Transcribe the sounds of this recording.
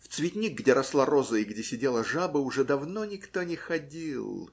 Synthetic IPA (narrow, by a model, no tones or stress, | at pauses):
ft̪svʲɪt̪ʲnʲiɡ̚ɡdʲeɾɐslˠaɾozəɪɡdʲesʲɪdʲelˠəʐabəʊʐɛd̪ɐvnonʲɪkt̪onʲɪxɐdʲilˠ